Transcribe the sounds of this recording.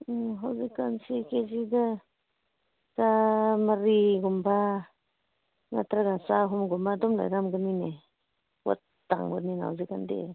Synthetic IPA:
ɦawzikːansikezida | zamaɾiɡumba | na̰tɾaɡasaɦɔmɡumbadɔmla̰jɾamɡɯmine | wa̰t̚ːa̰ŋbɯnina̰ɦa̰zikandḛ

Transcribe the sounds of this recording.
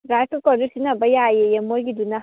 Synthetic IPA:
ɾatukodusinabajajejamoɡʲiduna

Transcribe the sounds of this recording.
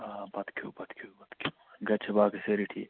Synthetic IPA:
abɐt̪kʰuːbɐt̪kʰubɐt̪kʰu | ɡɐt͡ʃʰɐbaːkiseɾiʈʰḭː

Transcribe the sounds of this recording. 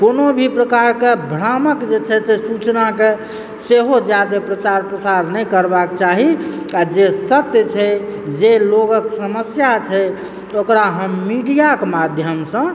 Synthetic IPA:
konobʱipɾəkaɾkebʱɾaməkd͡ʒet͡ʃʰɛsʰesut͡ʃnake | seɦod͡ʒjad̪epɾət͡ʃaɾpɾəsaɾnəjkəɾbakt͡ʃaɦiad͡ʒesət̪jt͡ʃʰɛd͡ʒeloɡəksəməsjat͡ʃʰɛ | okɾaɦəmːiɖijakmad̪ʱjəmsə̃

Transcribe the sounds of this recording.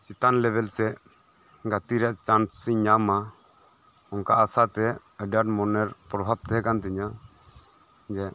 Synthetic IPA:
t͡ʃit̪anlɛbɛlsɛ | ɡat̪iɾɛʔt͡ʃansiɲama | ɔŋkaʔasat̪ɛ | əɖaʈmɔnɛɾpɾɔbʱab̚t̪ɛɦɛkant̪ɛɲa | d͡ʒɛ

